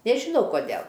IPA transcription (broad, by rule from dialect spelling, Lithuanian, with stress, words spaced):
nʲɛʒʲɪˈnɐʊ koːˈdʲeːlˠ